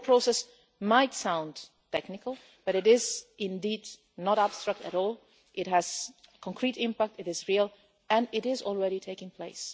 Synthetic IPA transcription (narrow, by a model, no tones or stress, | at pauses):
pʰɹ̥oʊsɛs | maɪtsãʊ̃n | tʰɛknɨkəlˠ | b̥ʌɾɨɾɪzɪ̃ndid | nəɾæb̥stɹ̥ək̚tɨ̰ɾɔlˠ | ʔɪt̚ɦɨz̥kʰə̃ŋkʰɹ̥iɾɪ̃mpæk̚tɨɾɨzɹilˠ | ɨ̃nɪɾɪzɔl̩ˠɹɛɾitʰeɪkɪ̃ŋpʰl̥eɪs